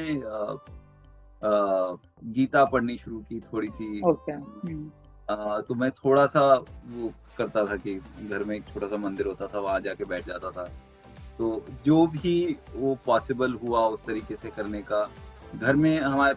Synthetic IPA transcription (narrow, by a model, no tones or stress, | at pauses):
ẽ | ɡiːt̪apɐɽniʃʊɾukit̪ʰoːɽisʰioːke | t̪omɛ̃ːt̪ʰoːɽasaʋo | kɐɾt̪at̪ʰakiɡʱɐɾmẽkt͡ʃʰoːʈasamɐ̃nd̪ɪɾɦoːt̪at̪ʰaʋɐɦãd͡ʒaːkebɛːʈʰd͡ʒa̰ːt̪at̪ʰaː | t̪oːd͡ʒoːbʱiʋopaːsɪbəlɦuaʊst̪ɐɾiːkesekɐɾnekaɡʱɐɾmẽɦɐmaːɾe